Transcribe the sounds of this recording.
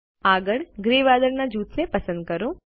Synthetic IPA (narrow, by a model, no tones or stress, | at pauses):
aɡəɭɡɾeʋad̪əɾnad͡ʒut̪ʰnepəsə̃nd̪̚kəɾo